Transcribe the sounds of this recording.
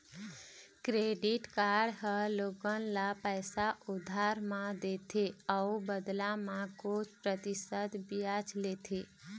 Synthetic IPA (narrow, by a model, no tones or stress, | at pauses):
kɾeɖiʈkaɾɖɦəlokənlapəjsaʔud̪ʱaɾmãd̪et̪ʰeəubəd̪lamãkot͡ʃʰpɾət̪isəd̪bijat͡ʃʰlet̪ʰe